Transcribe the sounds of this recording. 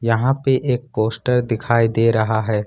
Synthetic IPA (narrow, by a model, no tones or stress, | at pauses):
jɐɦãpeʔeːk̚poːsʈəɾd̪ɪkʰaːid̪eːɾɐɦaɦɛː